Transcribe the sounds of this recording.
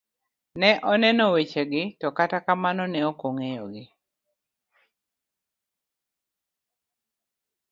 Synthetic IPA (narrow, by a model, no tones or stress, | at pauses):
nɛʔɔnɛnɔwet͡ʃeɡɪtɔkatakamanɔnɛokoŋejɔ̰ɡɪ